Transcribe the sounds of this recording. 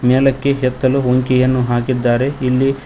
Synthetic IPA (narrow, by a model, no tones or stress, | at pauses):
meːlɐkːe̞ɦɛt̪ːɐluoŋkijɐnːuɦaːkid̪ːaːɾe̞ilːi